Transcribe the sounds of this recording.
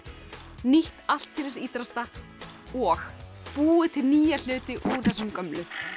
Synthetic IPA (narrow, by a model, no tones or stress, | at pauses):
niht̪al̥t̪ʰːiɾɪsiːt̪ɾast̪a | ɔx | puːɪt̪ʰɪlniːjal̥ʏːt̪ɪʔuɾ̥θɛsʏmkœmlʏ